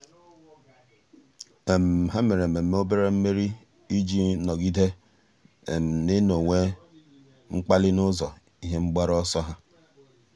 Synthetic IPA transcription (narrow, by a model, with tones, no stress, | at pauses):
e˨m̩˨ɦa˦me˨ɾe˨me˨˦o˦be˦ɾe˦m̩˦me˦ɾi˦ | i˦d͡ʒi˦nɔ˨ɡi˦de˦ | e˨m̩˨ne˦no˨ŋʷe˦ | ŋ͡m̩˦k͡pa˦lɪ˦nʊ˦zɔ˨ | i˦ɦe˦ŋ͡m̩˦ɡ͡ba˦ɾɔ˦sɔ˦ɦa˦